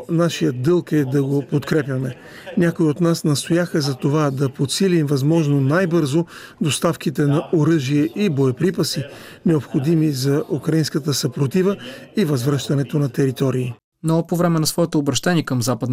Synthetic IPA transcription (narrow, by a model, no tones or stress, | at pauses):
naʃijət̪̚d̪ɤlˠkɛd̪ɐɡopot̪kɾɛpʲjɐmɛ | nʲakoiot̪nasnɐst̪ojaxɐzɐt̪ovad̪ɐpot̪silimvɐzmɔʒnonajbɤɾzo | d̪ost̪afk̟it̪ɛnɐʔoɾɤʒiɛʔiboɛpɾipɐsinɛopxod̪imizɐʔukɾɐinskət̪əsɐpɾot̪ivəivɐzvɾɤʃt̪ɐnɛt̪onɐt̪ɛɾit̪ɔɾiː | nopovɾɛmɛnɐsvɔɛt̪oːbɾɐʃt̪ɛniɛkəmzapəd̪n